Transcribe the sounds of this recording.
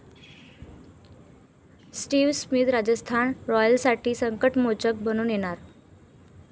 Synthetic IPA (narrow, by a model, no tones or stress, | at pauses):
sʈiːʋsmit̪ɾad͡ʑəst̪ʰanɾɔjəlsaʈʰiːsəŋkəʈmot͡ɕək̚bəñuːnjeɽ̃aɾ